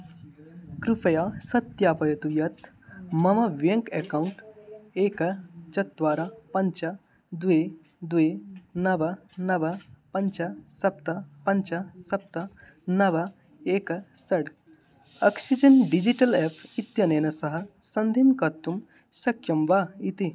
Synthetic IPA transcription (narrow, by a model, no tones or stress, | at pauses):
kɾupɐjasɐt̪jaːpɐjɐt̪ujɐt̪ | mɐmɐʋjɐŋkekauɳʈeːkɐt͡ʃɐt̪̚d̪ʋaːɾapɐnt͡ʃɐ | d̪ue | d̪uenɐbɐnɐbɐpɐɲt͡ʃɐsɐp̚t̪ɐpɐɲt͡ʃɐsɐp̚t̪ɐ | nɐʋɐ | eːkɐsɐɽ | ɐksid͡ʒɐnɖid͡ʒiʈɐlepʰit̪jɐneːnɐsɐɦɐ̆ | sɐnd̪ʱimkɐt̪ːum | sɐkʰjɐmʋait̪i